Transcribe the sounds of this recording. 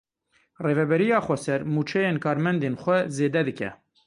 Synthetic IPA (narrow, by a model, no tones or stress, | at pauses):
reːvɛbɛɾijɑːxʷɛsɛɾmuːt͡ʃʰɛjeːnkʰɑːɾmɛnd̪eːnxʷɛzeːd̪ɛd̪ɨkɛ̰